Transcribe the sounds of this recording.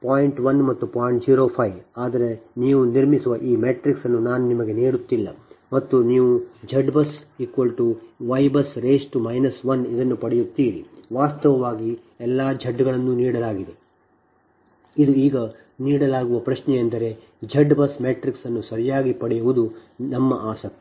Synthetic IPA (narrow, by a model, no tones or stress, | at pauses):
paːjiɳʈʋɐnmɐt̪ːupaːjiɳʈd͡ʒiːɾoːpʰɐjʋaːd̪ɐɾe̞niːʋuniɾmisuʋɐʔiːmeːʈɾiksɐnːunaːnunimɐɡe̞neːɽut̪ːilːɐ̰mɐt̪ːuniːʋud͡ʒɐɖbɐsikʋɐlʈuʋɐjbɐsɾeːsʈumɐjnɐsʋɐnid̪ɐnːupɐɽɛjut̪ːiːɾḭʋaːst̪ɐʋɐʋaːɡi | ɛlːaːd͡ʒʱɐɖːɡɐɭɐnːuniːɽɐlaːɡid̪e | id̪uiːɡɐ | niːɽɐlaːɡuʋɐpɾɐʃnɛjɐnd̪ɐɾe̞ | d͡ʒɐɖbɐsmeːʈɾiksɐnːusɐɾijaːɡipɐɽɛjuʋud̪unɐmːɐʔaːsɐk̚t̪i